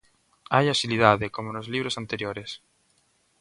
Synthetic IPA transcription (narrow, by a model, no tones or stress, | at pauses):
ajasiliðaðekomonozliβɾosant̪eɾjoɾes